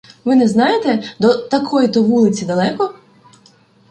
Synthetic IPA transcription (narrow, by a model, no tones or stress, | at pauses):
ʋɪnɛznɑjet̪ɛd̪ɔt̪ɐkʰɔjt̪ɔʋulˠɪt͡sʲid̪ɐlˠɛkɔ